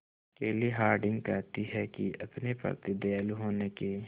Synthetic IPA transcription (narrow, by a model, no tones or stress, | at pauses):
əkeːliɦaːɾɖɪ̃ŋɡkɛːt̪iɦɛkiʔəpnepə̰ɾt̪ɪd̪elɦoːneke